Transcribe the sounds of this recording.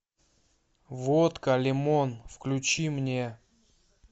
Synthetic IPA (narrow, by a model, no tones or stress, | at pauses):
vot̪kɐlʲɪmonfklʲʉt͡ɕimnʲe